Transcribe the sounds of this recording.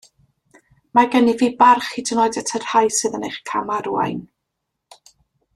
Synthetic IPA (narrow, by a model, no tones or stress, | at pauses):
maɡɛniviːbarχidənɔɨdɛtʰər̥hajsɨðənejχkʰamaɾua̰jn